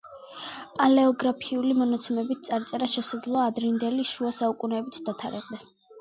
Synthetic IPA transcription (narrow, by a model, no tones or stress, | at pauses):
pʼalɛɔɡɾapʰiulimɔnat̪sʰɛmɛbit̪̚ʰt̪sʼaɾt̪sʼɛɾaʃɛsad̪zlˠɔad̪ɾind̪ɛliʃuasaukʼunɛːbit̪ʰd̪at̪ʰaɾɛʁʼd̪ɛs